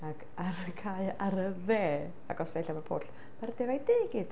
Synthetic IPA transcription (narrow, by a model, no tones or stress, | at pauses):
ak | aɾkʰaɨaɾəðɛː | a̰ɡɔsaɬamapʰo̰ːɬ | maɾd̥evajdeːɡɪd̥